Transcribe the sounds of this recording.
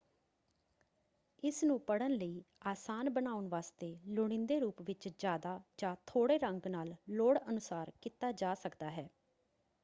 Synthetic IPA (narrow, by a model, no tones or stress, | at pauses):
ɪsnũːpəɽənləiːaːsaːnbənaːʊnʋaːst̪eːlʊɽ̃ɪ̃nd̪eːɾuːpʋɪt͡ʃd͡ʒjaːd̪aːd͡ʒãːt̪ʰoːɽeːɾəŋɡnaːlloːɽənʊsaːɾkit̪aːd͡ʒaːsəkd̪aːɦɛː